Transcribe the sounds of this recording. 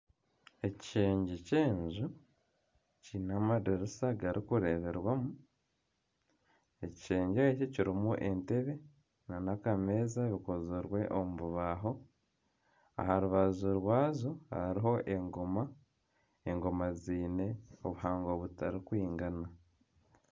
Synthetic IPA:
e̞ciʃe̞ːɲɟece̞ːɲzu | cinamadeɾisaɡaɾikuɾe̞βe̞ɾwamu | e̞ci̥ʃeːɲɟeecociɾimuʔe̞nte̞βe̞ | nanakameːzaβikozuɾwe̞ʔomuβuβaɦo̞ | a̰haɾuβazuɾwaːzoha̰ɾiɦo̞ʔe̞ŋɡo̞ma | eŋɡo̞maziːne̞o̞βuhaːŋɡo̞βutaɾikwiːŋɡana

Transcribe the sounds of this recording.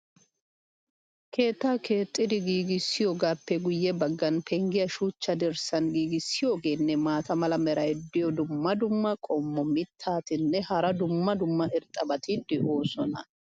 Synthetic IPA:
kʰe̞ːt̪ːaːkʰe̞ːt̪ʼːɪd̪ɪɡiːɡɪsːɪjoːɡaːpːɛɡʊjːɛbɐɡːɐnpʰɛŋɡɪjɐʃuːt͡ʃːɐd̪ɛɾsɐnɡiːɡɪsːɪjo̞ːɡe̞ːnːɛmaːt̪ɐmɐlɐmɛɾɐjd̪ɪjɔd̪ʊmːɐd̪ʊmːɐkʼɔmːɔmɪt̪ʰːaːt̪ɪnːɛhɐɾɐd̪ʊmːɐd̪ʊmːɐɛɾt̪ʼːɐbɐt̪ɪd̪ɪʔoːsɔnɐ̰

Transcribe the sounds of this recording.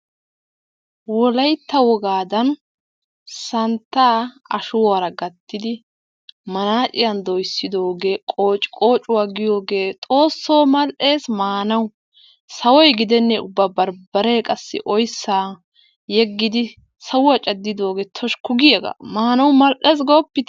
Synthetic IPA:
wɔlɐjt̪ːɐwɔɡaːd̪ɐn | sɐnt̪ːaː | ɐ̰ʃʊwaɾɐɡɐt̪ːɪd̪ɪ | mɐnaːt͡ʃʼɪjɐnd̪ɔjsːɪd̪oːɡekʼo̞ːt͡ʃʼkʼo̞ːt͡ʃʼʊwaːɡɪjo̞ːɡe̞ːt̪ʼo̞ːsːoːmɐlʔe̞ːsmaːnɐw | sɐwɔjɡɪd̪ɛnːɛʊbːabɐɾbɐɾeːkʼɐsːɪ̰ʔɔjsːaː | jɛɡːɪd̪ɪ | sɐwʊɐt͡ʃʼɐd̪ːɪd̪o̞ːɡet̪ʰɔʃkʊɡɪjɛɡɐ̰maːnɐwmɐlʔeːs̬ɡoːpːɪt̪

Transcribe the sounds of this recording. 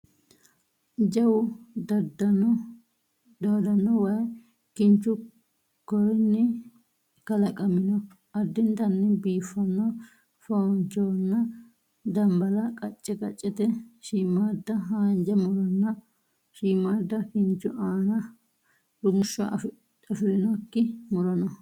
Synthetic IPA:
d͡ʒɐwʊd̪dn | d̪aːd̪ɐnːɔwɐ | kɪnt͡ʃːʊ | kɔɾnːɪ | kɐlɐkʼɐmɪnɔ | ʔɐd̪ːɪnt̪ɐnːɪbiːfːɐnːɔ | foːnt͡ʃoːnːɐ | d̪ɐmbɐlɐkʼɐt͡ʃʼːɛkʼɐt͡ʃʼːɪt̪ɛʃiːmːaːd̪ːɐɦaːnd͡ʒɐmʊɾɔnːɐ | ʃiːmaːd̪ːɐkɪnt͡ʃːʊʔaːnɐ | ɾʊmʊʃːɔ | ɐfɪlɪnɔkːɪmʊɾɐnɔ

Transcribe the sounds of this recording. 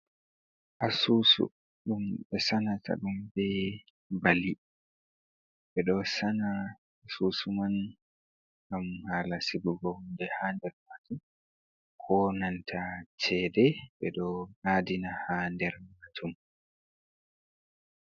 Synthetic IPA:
ʔasusṵ | ɗumɓɛsanatʰa̰ɗumbɛ | bali | ɓɛɗɔsana | asusuman | ɡamhalasibuɡɔhundɛhandɛɾmatum | kʰɔnantʰat͡ʃɛdɛɓɛ̰ɗɔnadinahandɛɾmatʰum

